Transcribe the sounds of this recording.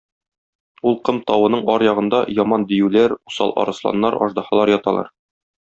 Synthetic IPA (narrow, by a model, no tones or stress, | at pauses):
ulˠqɤmt̪ɒwɤ̆nɤɴɒɾjɒʁɤ̆nd̪ɑjɒmɑnd̪ĭjʉlæɾu̥sɑ̰lˠʔɒ̰ɾɤ̆slˠɑ̰nːɑɾɒ̰ʒd̪ɑhɑlˠɑɾjɒt̪ɑlˠɑ̰ɾ